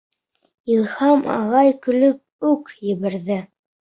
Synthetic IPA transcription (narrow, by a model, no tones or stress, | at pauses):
ilˠhɑmʔɑ̰ʁɑjkɵ̆lɵp̚ʉkjɘ̆βɘ̆ɾðɘ